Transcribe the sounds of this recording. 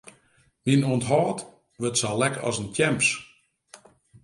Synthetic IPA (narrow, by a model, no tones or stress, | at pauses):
minuəntɦɔːt | ʋøtsalɛkɔ̰səntʰjɛmps